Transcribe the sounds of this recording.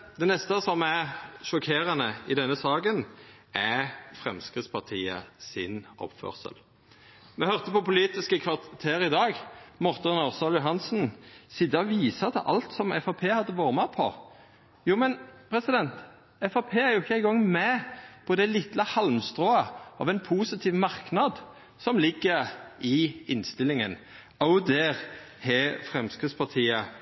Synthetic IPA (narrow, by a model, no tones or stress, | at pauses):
d̪ɛnɛst̪əsɔmæʃɔkʰeːɾɑnəɪd̪ɛnːəsɑːɡənæfʁɛmskʁɪt̪spʰɑʁt̪ʰiːə̰sɪnɔ̰pfœ̰ːʁsə̰l | mɛhœʁt̪əpɔpʊliːt̪ɪskəkʰʋɑʁt̪ʰeːɾɪd̪ɑːɡmɔʁt̪ənɑʁsɑlʊɦɑnsn̩sɪd̪ɑʋiːsɑt̪ʰəʔɑ̰lt̪sɔmɛfɑpʰeːhɑd̪ːəʋoːʁmɑpʰɔ̰ | juːmɛnpʰɾɛsɪd̪ɛnt̪ | ɛfɑpʰeːæɾjʊɪçːəæɪɡɔŋmɛpʰɔd̪ɛlɪt̪ləhɑlmst̪ʁoːəʔɑ̰ʋɛnpʰuːsɪt̪ʰiːʋmɑʁknɑd̪ | sɔmlɪɡːəʁɪɪnst̪ɪlɪŋən | ɑʊd̪ɛːʁ | hɛːfʁɛmskʁɪspʰɑʁt̪ʰiːə